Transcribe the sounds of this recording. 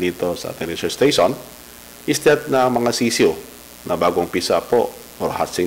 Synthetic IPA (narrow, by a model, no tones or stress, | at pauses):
niːt̪o̞sɐ̰ʔa̰t̪ɪŋɾit͡ʃɛst̪ejʃon | ʔɪst̪ɛt̪̚nɐmɐŋasiːsio | nɐbaːɡoŋpisapo̰ʔ | oɾha̰sɪ